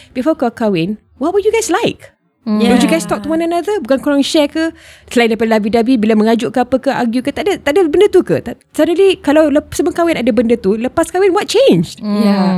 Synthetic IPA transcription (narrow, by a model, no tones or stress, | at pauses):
b̥ifɔkakawɪn | wɔt̚wəjuɡajslajk̚ | wəd͡ʒuɡajst̪ɔk̚t̪uwananad̪əbukankuɾaŋʃɛkəsəlaĩndapadlabidabibilamə̃ŋad͡ʒʊʔkaapəkəʔaɡjukət̪aʔdat̪aʔdabəndət̪ukə̰t̪a | sadəlikalawləpsəməŋkawɪnadabəndət̪uləpaskawɪnwɔt̚t͡ʃẽnd͡ʒja